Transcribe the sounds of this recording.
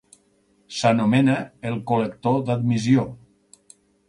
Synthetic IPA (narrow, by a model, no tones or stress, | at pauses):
sanomenəelˠkolekt̪od̪ad̪mizio